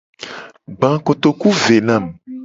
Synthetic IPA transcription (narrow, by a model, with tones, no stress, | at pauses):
ɡ͡bã˨ko˨t̪o˨ku˦ve˨nã˦˨m